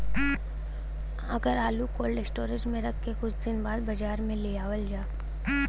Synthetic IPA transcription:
ɐɡəɾaːlukoːlɖɪsʈoːɾɪd͡ʒmẽɾɐkʰːekʊt͡ʃʰd̪ɪnbaːd̪bɐd͡ʒaːɾmẽleːaːwəld͡ʒaː

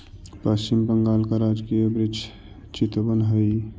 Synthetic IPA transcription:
pəst͡ʃimbəŋɡaːlkaɾad͡ʒkiəbɾid͡ʒ | t͡ʃit̪bənɦəj

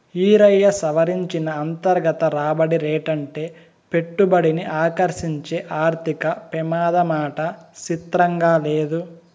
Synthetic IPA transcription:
iːɾɐjːɐsɐʋɐɾiɲt͡ʃinɐːnt̪ɐɾɡɐt̪ɐɾaːbɐɽiɾeːʈɐɳʈe̞ː | pe̞ʈːubɐɽiniʔaːkɐɾʃiɲt͡ʃeːʔaːɾt̪ʰikɐpɛmaːd̪ɐmaːʈɐt͡ʃit̪ɾɐŋɡaːleːd̪u

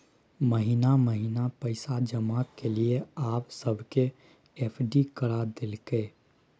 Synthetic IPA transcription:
məɦinaməɦinapəɪsad͡ʒəmakelieaːpsəbʱke | epʰɖikəɾad̪elke

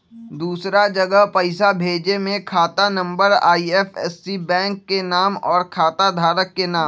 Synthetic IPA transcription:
d̪uːsɾad͡ʒɐɡəɦpɐɪsabʱeːd͡ʒemẽkʰaːt̪anɐ̃mbəɾa̰ːiɛːfɛːsːibɛ̃ːŋkːenaːmɔːɾkʰaːt̪ad̪ʱaːɾəkːenaːm

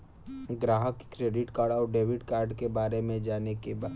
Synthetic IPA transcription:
ɡɾaːɦəkkɾeːɖɪʈkaːɽaɔːɾɖeːʋɪɖkaːɾɖkebaːɾemẽd͡ʒaːnekebaː

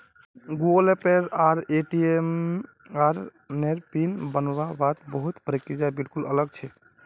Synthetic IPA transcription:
ɡuəlepeɾaɾeʈiem | aɾ | neɾpinbənoɾabat̪bəɦut̪pəɾikːid͡ʒabilkulə̰ləɡt͡ʃʰɛ

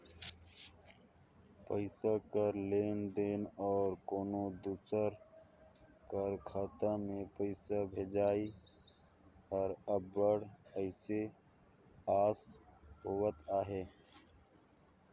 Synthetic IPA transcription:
pəɪsakəɾleːnd̪eːnɔːɾkoːnod̪usəɾ | kəɾkʰaːt̪ãmẽpəɪsabʱeːd͡ʒaːi | ɔːɾəbːəɽəɪse | aːsɦoːwət̪aːɦeː

